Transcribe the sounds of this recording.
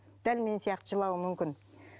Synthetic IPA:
d̪̥ælme̞nsijɑqt̪əʒəlˠɑwəmʏmkʲɪn

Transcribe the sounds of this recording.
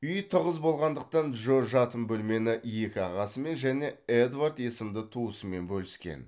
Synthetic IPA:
ʏjt̪ʰəʁəzbo̞lˠʁɑnd̪əq̚t̪ɑnʒoʒɑt̪əmbɵlme̞nɪje̞kʲɪɑʁɑsəme̞nʒæne̞ed̪vart̪je̞sɪmd̪ɪt̪ʰuəsəme̞nbɵlɪskʲe̞̰n

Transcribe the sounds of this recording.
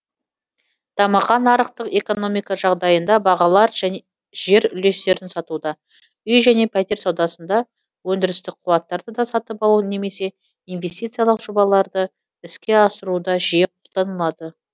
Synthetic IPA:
t̪ʰɑmɑχɑnɑɾəq̚t̪əqe̞ko̞no̞mijkɑʒɑʁd̪ɑjənd̪ɑbɑʁɑlˠɑɾʒæn | ʒe̞ɾʏle̞st̪e̞ɾɪnsɑt̪ud̪ɑ | ʏjʒæne̞pʰæt̪e̞ɾsɑwd̪ɑsənd̪ɑ | wɵnd̪ɪɾɪst̪ɪk̚qʰuwɑt̪ːɑɾd̪əd̪ɑsɑt̪əpɑlˠune̞me̞se̞ | inve̞st̪ijt̪sɨjalˠəqʒ̥obɑlˠɑɾd̪ə | ɪskʲe̞ɑsəɾud̪ɑʒijeqʰo̞lˠd̪ɑnəlˠɑd̪ə

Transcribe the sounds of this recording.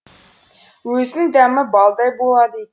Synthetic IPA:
wɵzɪnd̪æmɪbɑlˠd̪ɑjbolˠɑd̪i

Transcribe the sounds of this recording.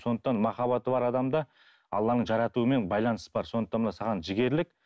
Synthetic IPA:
so̞nd̪əqt̪ɑnmɑχɑβɑt̪əbɑɾɑd̪ɑmd̪ɑ | ɑ̰lˠːɑnəɴʒɑɾɑt̪uəme̞nbɑjlˠɑnəsəbɑɾso̞nd̪ət̪ɑnmənɑsɑʁɑnʒɪɡʲe̞ɾlɪk̚

